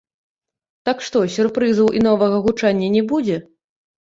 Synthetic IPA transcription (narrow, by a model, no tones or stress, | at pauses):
t̪akʂt̪ɔsʲurpɾɨzɐwʔin̪ɔvɐɣɐɣut͡ʂanʲːɐnʲɛbud͡zʲɛ